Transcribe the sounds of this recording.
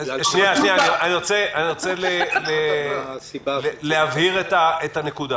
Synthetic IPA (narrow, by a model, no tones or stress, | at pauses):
ʃniaʃniaianiʁot͡seaniʁot͡selele | llehavhiʁet̪aet̪ane̞kud̪a